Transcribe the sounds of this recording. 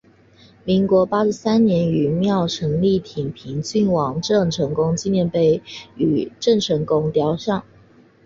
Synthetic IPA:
mi˧˥ŋkwɔ˧˥pa˥ɻy˧˥sa˥nnjɛ˧˥ny˨˩mjɑ˥˩ʊʈ͡ʂʰɤ˧˥ŋli˥˩t̪ʰi˨˩ŋpʰi˧˥ŋt͡ɕy˥˩nwɑ˨˩ŋʈ͡ʂə˥˩ŋʈ͡ʂʰɤ˧˥ŋkʊ˥ŋt͡ɕi˥˧njɛ˥˧npe˥˩ɪy˨˩ʈ͡ʂɤ˥˩ŋʈ͡ʂʰɤ˧˥ŋkʊ˥ŋt̪jɑ˥˧ʊʂɑ˥˩ŋ

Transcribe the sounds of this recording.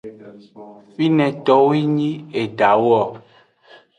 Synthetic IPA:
fi˦nɛ̃˨t̪ɔ˦wi˦ɲĩ˦e˨ɖa˨wɔ˦˨

